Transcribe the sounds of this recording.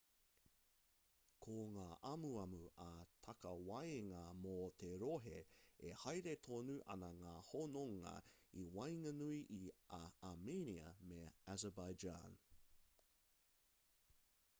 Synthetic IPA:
kʰoŋaːʔɐmuɐmuʔɐt̪ʰɐkɐwɐjeŋɐmot̪ʰeɾoɦeehɐjɾet̪ʰonuʔɐ̰nɐŋaːhonoŋɐ̰iwɐjŋɐnuiʔiʔaameniə̰meæzəbajd͡ʒa̰n

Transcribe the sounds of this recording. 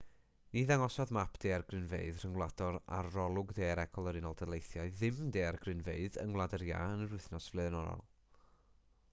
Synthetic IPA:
niðaŋɔsɔðmapʰd̥eːarɡrɪnvḛɨðr̥əŋwlˠadɔɾa̰rrɔlˠʊɡdeːɾɛkʰɔlˠəɾɪnɔlˠdəlˠejθjaɨðɨmdeːarɡrɪnveɨðə̰ŋwlˠadəɾja̰ənəɾʊɨθnɔsv̥lˠɛnɔɾɔ̰lˠ

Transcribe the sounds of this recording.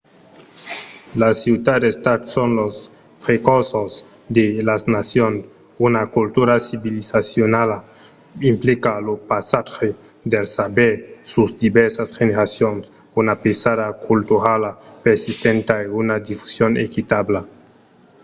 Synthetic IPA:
lasit̪ad̪est̪at̪sonlos | pɾekosoz | d̪elasnasjon | unakult̪uɾasiβilisasjonala | implikalopasaxe | d̪elsabeɾsuzd̪ibɛɾsasxeneɾasjons | unapesaðakʰult̪uɾalapeɾsist̪ent̪aeunad̪ifu̥sjonḛkit̪abla

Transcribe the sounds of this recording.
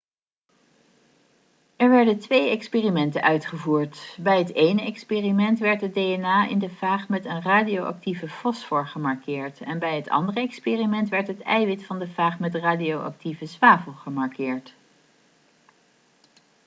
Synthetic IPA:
ɛɹʋɛɹdəntʋejɛkspeːrimɛntənʔœɥtχəvuːɹtbɛjɦətejnəʔɛkspeːrimɛntʋɛɹtəd̚dejɛnaːʔɪ̰ndəvaːχmɛtənraːdiowʔɑ̰k̚tivəfɔsfʊːɹχəmɑɹkɪːɹtɛnbɛjɦətɑ̰ndərəɛkspeːrimɛntʋɛɹtɦətɛ̰jʋɪtfɑndəvaːχmɛtraːdiowʔɑ̰k̚tivəzʋaːvəlˠχəmɑɹkɪːɹt

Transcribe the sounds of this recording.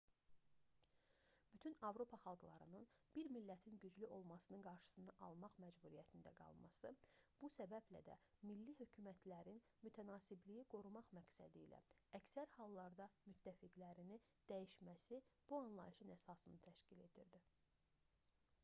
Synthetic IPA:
b̥yt̪ʰynɑvɾo̞pʰɑχɑlˠɡlˠɑ̰ɾɯnɯnb̥iɾmilːæt̪ʰinɟyd͡ʒlyʔo̞lˠmɑsɯnɯnɡɑɾʃɯ̥sɯnɯʔɑlˠmɑχmæd͡ʒbuɾijæt̪ʰind̪æɡɑ̰lˠmɑ̰sɯb̥usæbæblæ̰d̪æ̰ | milːiɦø̞cʰymæt̪ʰlæɾin | myt̪ʰænɑːsiblijiɡ̥o̞ɾumɑχmæɡsæ̰d̪iːlæ̰æcsæɾhɑlˠːɑɾd̪ɑmyt̪ʰːæfiɡlæɾini | d̪̥æjiʃmæsib̥uɑnlˠɑ̰jiʃɯnæsɑsɯnɯt̪ʰæʃcile̞̰d̪ḭɾd̪i

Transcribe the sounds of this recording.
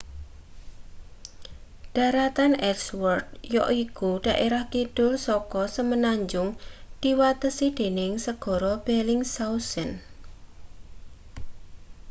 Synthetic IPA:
ɖ̥a̤ɾat̪anɛkswɔrd̚jɔ̰ʔikuɖ̥a̤ʔeɾahkid̪̥ʊlsɔkɔsəmənaɲd͡ʒʊŋd̪̥iwat̪əsid̥e̤nɪŋsəɡ̥ɔ̤ɾɔb̥elɪŋsausən

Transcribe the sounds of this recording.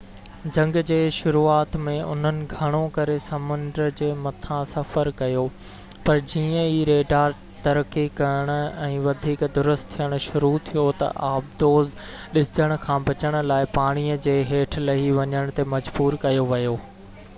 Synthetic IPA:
d͡ʑɐ̃ŋɡd͡ʑeːʃʊɾuːaːt̪mẽʔʊ̰n̤ənɪ̆ɡʱɐɽ̃õkɐɾesɐmʊ̃nd̪ɾəd͡ʑeːmɐt̪ʰãsɐfəɾkɐjoː | pɐɾd͡ʑiːə̃iːɾeːɖaːɾ | t̪ɐɾəkːikɐəɽ̃ʊ̆ɛ̃ːʋɐd̪ʱiːkd̪ʊɾʊst̪ʰːijəɽ̃ʊ̆ʃʊɾut̪ʰijot̪ɐ̰ʔaːbd̪oːz | ɗɪsd͡ʑəɽ̃ʊ̆kʰãːbɐt͡ɕəɽ̃ʊ̆laːɪpaːɽ̃iəd͡ʑeːɦeːʈʰlɐɦiʋɐɲəɽ̃t̪emɐd͡ʑbuːɾkɐjoʋɐjoː

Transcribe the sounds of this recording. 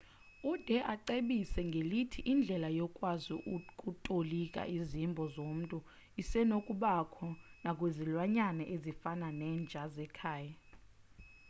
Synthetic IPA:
ud̥ʱɛʔaǀeɓisɛŋɡʱelitʰiʔind͡ɮʱɛlajɔkʼwazuʔkʼutʼolikʼa̰ʔizimbʱɔzom̩tʼu | isɛnokʼuɓakʰɔnakʼwezilwaɲanɛʔezifananɛːnd͡ʒʱazɛkʰaːja

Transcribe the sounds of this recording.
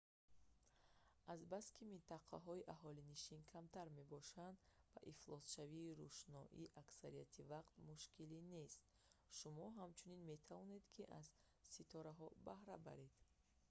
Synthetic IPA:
azbaskʰimint̪aqʰa̰ɦɔiʔaɦɔliniʃinkʰamt̪ʰaɾme̞bɔʃand̪ba̰ʔiflˠɔsʃaviːɾuʃnɔʔḭʔaksaɾijat̪ʰivaqt̪muʃkʰiline̞st̪̚ | ʃumɔɦamt͡ʃʰuninme̞t̪ʰavɔne̞d̪kʰiʔaz | sit̪ʰɔɾaɦɔbahɾa̰ba̰ɾed̪̥

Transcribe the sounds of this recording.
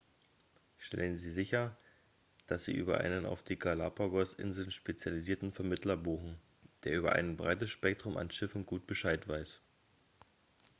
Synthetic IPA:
ʃtʰɛ̰lənziːzɪçɐ | d̥asz̥ḭːʔy̰ːbɐ̰ʔa̰ɪnəna̰ʊfd̥iːɡalapʰaɡɔsʔɪ̰nzl̩nʃpet͡sjaliziːɐtn̩fɛɐmɪtlɐbuːχn̩ | d̥eːɐʔyːbɐ̰ʔa̰ɪnbʁaɪtəsʃpɛk̚tʁ̥ʊma̰nʃɪfn̩ɡuːt̚b̥əʃaɪtv̥aɪs

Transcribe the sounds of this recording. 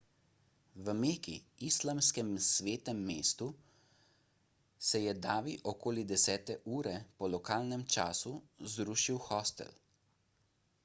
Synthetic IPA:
ʋəmeːkḭislamskɛmsʋeːt̪ɛmːeːst̪u | sɛjɛd̪aːʋiʔɔkoːlid̪ɛsɛːt̪ɛʔuːɾɛpɔlɔkaːlnɛmt͡ʃaːsuzd̪ɾuːʃiwxɔst̪ɛ̰l

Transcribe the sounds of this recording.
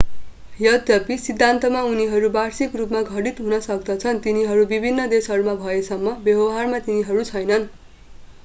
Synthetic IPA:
jʌd̪ʱjʌpisid̪ʱːant̪ʌmauniɦʌɾubarsikrupmaɡʱʌɽit̪ɦunʌsʌk̚d̪ʌt͡sʰʌnt̪iniɦʌɾubibʱinːʌd̪esɦʌɾumabʱʌesʌmːʌbjʌbʌɦarmat̪iniɦʌɾut͡sʰʌjnʌn

